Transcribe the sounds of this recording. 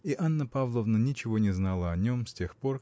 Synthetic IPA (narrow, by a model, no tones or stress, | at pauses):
iʔanːəpavlˠəvnənʲɪt͡ɕɪvo̞nʲɪznalˠəɐnʲo̞msʲtʲexpo̞r